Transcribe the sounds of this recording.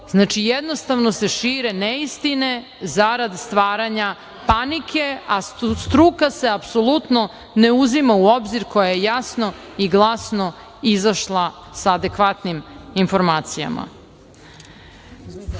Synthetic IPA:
znaːt͡ʃijed̪no̞st̪aʋnose̞ʃiːɾeneist̪ine̞ | zaɾad̪st̪ʋaːɾaɲa | panikʰe̞ast̪ɾukaseapsolˠut̪no̞ | ne̞uzimauo̞bziɾko̞jajejasno̞ | iɡlˠasno̞ | izaʃlˠa | saːd̪ekʋat̪niminfo̞ɾmaːt̪sija̰ma̰

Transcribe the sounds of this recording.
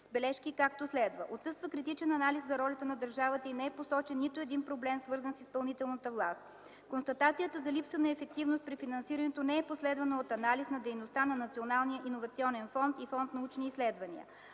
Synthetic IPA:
zbɛlɛʃkikak̚t̪oslɛd̪vəʔot̪sɤst̪vəkɾit̪̬it͡ʃɛnɐnaliszɐɾɔlʲət̪ənɐd̪əɾʒavət̪əinɛɛposɔt͡ʃɛnːit̪oɛd̪inpɾoblɛmsvɤɾzənsispɐlˠnit̪ɛlˠnət̪əvlˠast̪ | konst̪ɐt̪at̪sijət̪əzɐlipsənɐɛfɛk̚t̪ivnost̪̚pɾifinɐnsiɾənɛt̪onɛɛposlɛd̪vɐnəot̪ɐnalisnɐd̪ɛjnost̪anɐnɐt̪sionalˠnijəʔinovɐt̪siɔnɛnfɔnt̪ifɔnt̪nɐut͡ʃniːslɛd̪vɐnḭə̰

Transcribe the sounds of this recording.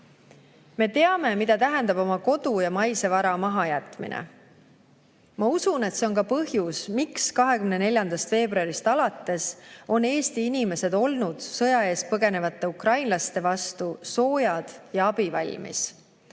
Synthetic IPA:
me̞t̪e̞ɑme̞mid̪ɑt̪æɦɛnd̪ɑbo̞mɑko̞d̪ujɑmɑjse̞vɑɾɑmɑɦɑjæt̪ˑmḭnʔḛ | mɑusune̞t̪se̞o̞nkɑpɤhjusmikskɑɦe̞kymnene̞lʲjɑnd̪̥ɑst̪fe̞ːbruɑɾist̪ɑlɑt̪ːe̞so̞ne̞ːst̪iinime̞se̞d̪o̞lnud̪̥sɤjɑe̞ːspɤɡe̞ne̞vɑt̪ːe̞ukrɑjnlɑst̪e̞vɑst̪uso̞ːjɑd̪̥jɑɑb̥ivɑlʲmḭs

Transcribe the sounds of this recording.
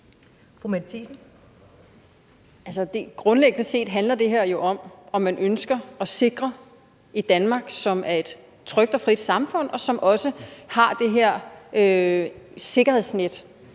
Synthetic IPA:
fomædt͡sʰisn̩ | ælsʌd̥e̝ɡ̥ʁɔ̽nleɡ̥ənəse̝̰ːd̥ɦænlɐd̥e̝ɦɛɐ̰jo̝ʔɒ̽mɒ̽mːænʔønsɡ̥ɐɒ̽se̝ɡ̥ʁɐ | id̥ænmɑ̈ːɡ̥sɒ̽mæɐe̝d̥ | t͡sʰʁœɡ̥̚d̥ɒ̽fʁid̥sɑ̈mfɔ̽n̰ɒ̽sɒ̽mʔɒ̽səhɑ̈d̥e̝ɦeɐ̰ø | se̝ɡ̥ɐhe̝ð̰ˠsned̥

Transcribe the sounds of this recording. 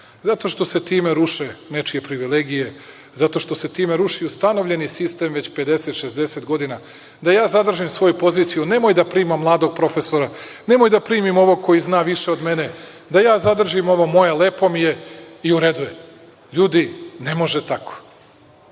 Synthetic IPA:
zat̪o̞ʃt̪o̞se̞t̪iːme̞ɾuʃenet͡ʃije̞pɾiʋileɡije̞ | zat̪o̞ʃt̪o̞se̞t̪iːmeɾuʃiust̪ano̞vʎʲe̞nisist̪eːmʋe̞t͡ɕpe̞d̪e̞set̪ʃezd̪e̞set̪ɡo̞d̪ina | d̪ajaːzad̪r̩ʒimsʋo̞jupo̞ziːt̪sijune̞mojd̪apɾiːmamːlˠaːd̪o̞ɡ̚pɾo̞fe̞soɾa | ne̞mojd̪apɾiːmimo̞ʋo̞ko̞jiznaːʋiʃe̞o̞d̪me̞ne̞ | d̪ajaːzad̪r̩ʒimo̞ʋomo̞jale̞ːpo̞mijeiuɾe̞d̪uje | ʎuːd̪ine̞mo̞ʒet̪akʰo̥

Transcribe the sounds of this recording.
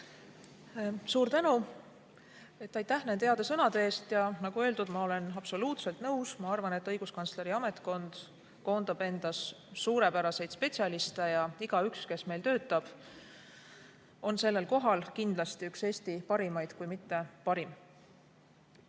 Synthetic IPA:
suːɾt̪ænu | e̞t̪ːˑɑjt̪ːæhnene̞ɑd̪esɤnɑd̪eeːst̪jɑnɑɡ̥ue̞ld̪ud̪̥mɑo̞le̞nɑpso̞luːt̪se̞lt̪nɤwsmɑɑrvɑne̞t̪ːˑɤjɡ̥uskɑnsle̞ɾiɑme̞t̪ˑko̞nd̪̥ | ko̞ːnd̪̥ɑb̥e̞nd̪̥ɑsːuːɾe̞pæɾɑse̞jd̪spe̞t̪ʲsiɑlist̪ejɑiɡ̥ɑykske̞sme̞jlt̪ø̞ːt̪ːˑɑb̥ | o̞nse̞lːe̞lko̞ɦɑlkind̪lɑst̪iykse̞ːst̪ipɑɾimɑjd̪̥kujmit̪ːe̞pɑɾim

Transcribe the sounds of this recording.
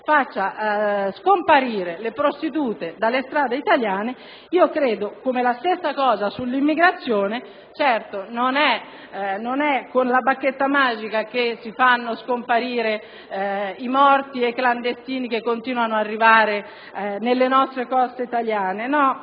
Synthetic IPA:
fat͡ʃːaskompaɾiːɾelepɾost̪it̪uːt̪ed̪alːest̪ɾaːd̪eit̪aljaːne | iːokɾeːd̪okomelast̪esːakɔːzasulːimːiɡɾat̪sːjoːne | t͡ʃɛrt̪ononɛ | nonɛkːonlabakːet̪ːamaːd͡ʒikak̟esːifanːoskompaɾiːɾe | imɔrt̪iekland̪est̪iːnikekːont̪iːnwanoarːivaːɾe | nelːenɔst̪ɾekɔst̪eit̪aljaːnenɔ

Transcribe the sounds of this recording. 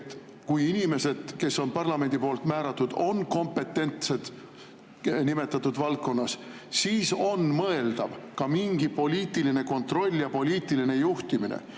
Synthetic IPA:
et̪ː | kujinime̞se̞d̪̥ke̞sːo̞npɑrlɑme̞nʲd̪̥ipo̞ːlt̪mæːɾɑt̪ːˑud̪̥o̞nko̞mpe̞t̪ːˑe̞nt̪se̞d̪̥ | nime̞t̪ːˑɑt̪ːˑud̪vɑlt̚kːo̞nːɑs | siːso̞nmɤe̞ld̪ɑvkɑmiŋɡ̥ipo̞lʲiːt̪ːˑiline̞ko̞nt̪ro̞lʲːjɑpo̞lʲiːt̪ːˑiline̞juht̪iminḛ

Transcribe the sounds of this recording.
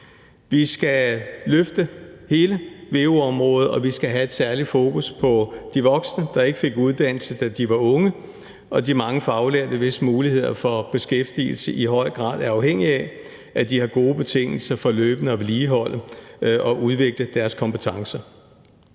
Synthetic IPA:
ʋisɡ̥æløfd̥əhe̝ːləʋe̝ːuɒ̽mʁɔ̽ːð̩ˠɒ̽ʋisɡ̥æɦæe̝d̥sæɐli̥fo̝ːkʰuspʰɒ̽d̥iʋɒ̽ɡ̥snəd̥ɑ̈e̝ɡ̥əfe̝ɡ̥uð̞ˠd̥æn̰l̩səd̥æd̥iʋɑ̈ɔ̽ŋə | ɒ̽d̥imɑ̈ŋəfɒɑ̈ʊleɐd̥əʋe̝smuːlihe̝ð̞̰ˠɐfɒ̽b̥e̝sɡ̥efd̥ḭl̩səʔiɦɒ̽ɪ̰ɡ̥ʁɑ̰̈ːð̞̰ˠæɐɑ̈ʊɦeŋ̰iæ | ʔæd̥ihɑ̈ɡ̥o̝ːb̥e̝t͡sʰe̝ŋ̰l̩sɐfɒ̽løːb̥ənəɒliːɦɒ̽l̰əʔɒ̽ʔuðˠʋe̝ɡ̥ləd̥æɐskʰɒ̽mpʰət͡sʰɑ̈ŋsɐ

